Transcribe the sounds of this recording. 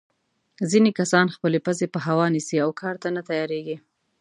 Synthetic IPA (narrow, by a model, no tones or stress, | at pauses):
zinekasɑnxpəlepəzepəɦawɑnisiawkʰɑɾt̪anat̪ajɑɾeɡi